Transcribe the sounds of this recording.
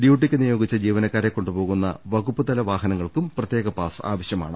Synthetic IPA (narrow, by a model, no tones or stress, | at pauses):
ɖjuːʈ̬ːikʲːɨnijo̞ːɡit͡ɕːɐd͡ʑiːʋɐnɐkːaːɾekːo̞ɳɖubo̞ːɣunːɐ̰ʋɐɣupːɐd̪ɐlɐʋaːɦɐnɐŋːɐɭkumprɐt̪jeːɣɐpaːsa̰ːʋɐɕjɐma̰ːɳɨ